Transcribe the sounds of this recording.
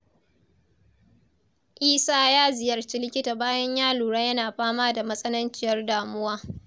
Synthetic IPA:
ʔiː˦saː˦jaː˦zɪ˨jɐ˨rt͡ʃiː˦lɪ˦kʲɪ˦taː˨baː˦jɐ˦ɲjaː˦luː˨ɽa˦jɐ˦naː˨ɸaː˦maː˦da˨mɐ˦sʼɐ˦nɐ˦nt͡ʃɪ˦jɐ˦rdaː˨mʊ˦waː˦

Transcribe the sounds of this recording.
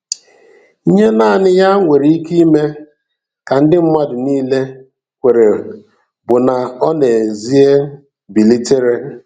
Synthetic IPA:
ɲe˦naː˦˨nɪ˦ja˦ŋʷe˨ɾi˨˦i˦ki˦i˦me˦ | ka˨n̩˦dɪ˦m̩˦ma˦dʊ˨niː˦le˦ | kʷe˨ɾe˨ | bʊ˨na˨ɔ˦ne˨zi˦e˦ | bi˨li˦te˦ɾe˦

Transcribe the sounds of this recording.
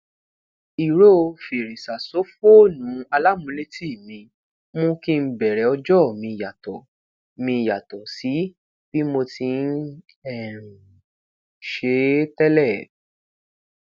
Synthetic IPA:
i˨ɾo˦˧fi˨ɾi˨sa˨so˨˦fo˦nũ˨˦a˧la˦mũ˧˦le˦ti˦˨mĩ˧ | mõ˧kĩ˦˧n̩˦bɛ˨ɾɛ˨˦ɔ˧d͡ʒɔ˦˨mĩ˧ja˨tɔ˨ | mĩ˧ja˨tɔ˨si˨˦ | b̥i˦mo˧ti˧n̩˦ | ɛ˦˨ɾ̃ũ˨ | ʃe˧˦tɛ˦lɛ˦˨

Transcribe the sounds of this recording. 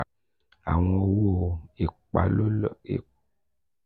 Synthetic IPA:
a̰˨ŋ˦ɔ˨wo˦˨e˨k͡pa̰˨lo˦lḛ˨

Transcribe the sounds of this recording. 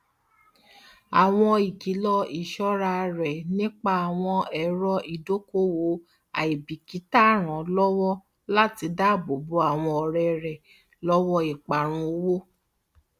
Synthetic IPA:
a˨w̃ɔ̃˧i˨ki˨˦lɔ˧i˨ʃɔ˦ɾa˧ɾɛ˨nĩ˦k͡pa˦a˨w̃ɔ̃˧ɛ˨˦ɾɔ˧i˨do˦ko˦wo˧˦ | a̰˨i˨bi˨ki˨˦ta˦˨ɾ̃ã˨lɔ˦wɔ˦ | la˦ti˧˦da˦˨bo˨bo˨˦a˦˨w̃ɔ̃˧ɔ˧˨ɾɛ˧ɾɛ˨ | lɔ˦wɔ˦i˨k͡pa˨ɾ̃ũ˧o˧˦wo˦

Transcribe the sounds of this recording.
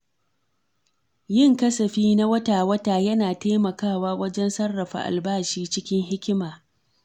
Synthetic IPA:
jɪ˦˨ŋkɐ˦sɐ˨ɸiː˦na˦wɐ˦taː˨wɐ˦taː˨jɐ˦naː˨teː˦mɐ˨kaː˦˨waː˦wɐ˦d͡ʒɛ˦nsɐ˦rːɐ˨ɸa̰˨ʔa̰˨lbaː˦˨ʃiː˦t͡ʃɪ˦kʲɪ˦ŋɦɪ˦kʲɪ˦maː˨

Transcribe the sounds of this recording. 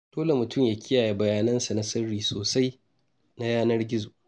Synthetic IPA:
d̥oː˦le˨mʊ˨tʊ˦˨mjaː˨kʲʰɪ˦jaː˨je˨bɐ˨jaː˨nɐ˦nsa˨na˦sɐ˦ɽiː˨soː˨sa˦j | na˦jaː˦nɐ˦rɡʲɪ˦zoː˨ʔ

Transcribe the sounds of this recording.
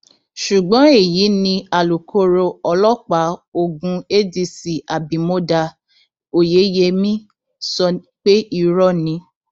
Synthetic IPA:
ʃu˨ɡ͡bɔ̃˨˦e˦˨jiː˨˦nĩ˧a˨lu˨kʰo˧˦ɾo˧ɔ˧lɔ˦k͡pa˨˦o˦˨ɡũ˧e˦di˧si˨a˨bĩ˨mo˦da˧ | o˦˨je˨˦je˧mĩ˦ | sɔ˧ | k͡pe˦i˧ɾɔ˦˨nĩ˨˦

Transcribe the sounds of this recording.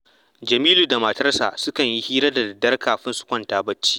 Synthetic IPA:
d͡ʒɐ˨miː˦luː˨da˨ma˨tɐ˦rsa̰ː˨sʊ˦kɐ˨ɲji˦hiː˦ɾɐ˦da˨dɐ˨dɐ˦rkaː˨ɸɪ˦nsʊ̥˨kʷɐ˦ntaː˨bɐ˦t͡ʃːi̥ː˦

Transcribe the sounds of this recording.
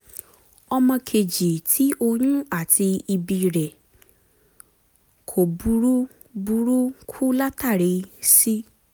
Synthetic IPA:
ɔ˧mɔ̃˧kʰe˨d͡ʒi˨tʰi˨˦ʔo˧ɲũ˦a˦˨tʰi˧i˧bi˧˨ɾɛ˨ | kʰo˨bu˧˦ɾu˦ | bu˧˦ɾu˦kʰu˦la˦ta˦˨ɾe˨˦si˦

